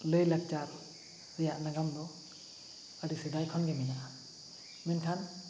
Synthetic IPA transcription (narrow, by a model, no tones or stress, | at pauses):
lɯjlak̚t͡ʃaɾ | zɛjaʔnaɡamd̪ɔ | aɾised̪ajkʰɔnɡɛminaʔ | mɛnkʰan